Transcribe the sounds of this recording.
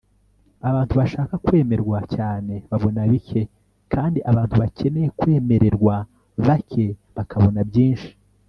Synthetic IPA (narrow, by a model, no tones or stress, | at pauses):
aβaːntuβaʃaːkakwe̞ːme̞ɾɡwacaːne̞βaβo̞naβikʰe̞ | kʰaːndiʔaβaːntuβace̞ne̞jekwe̞ːme̞ɾe̞ɾɡwa | βakʰe̞βakaβo̞nabɟiːnʃi̥